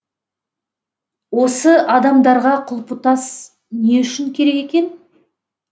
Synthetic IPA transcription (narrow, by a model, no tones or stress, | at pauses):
wo̞səʔɑd̪ɑmd̪ɑɾʁɑqʰʊlˠpʊt̪ɑs | ne̞ʏʃɪŋkʲʰe̞ɾe̞ke̞kʲe̞n